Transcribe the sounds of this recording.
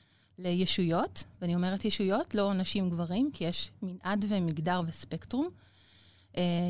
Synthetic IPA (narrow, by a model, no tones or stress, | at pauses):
lejeʃujo̞tveanio̞me̞ʁetjeʃujo̞tlo̞naʃimɡvaʁimkijeʃminʔadvemiɡdaʁvespektʁum | ʔe